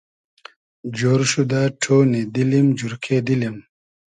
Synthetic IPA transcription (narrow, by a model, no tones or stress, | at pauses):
d͡ʒoːɾʃud̪aʈʰoːnid̪ilimd͡ʑuɾkʰeːd̪ilim